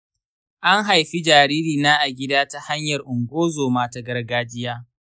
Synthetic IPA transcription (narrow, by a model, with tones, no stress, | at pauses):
ʔa˦ŋɦa˨jɸi˦d͡ʒaː˨ɾiː˦ɾiː˨naː˦ʔa˨ɡʲɪ˦daː˦ta˦ha˦ɲjɐ˨rʔʊ˨ŋɡʷoː˦zoː˨maː˦ta˨ɡɐ˦rɡaː˦d͡ʒɪ˦jaː˦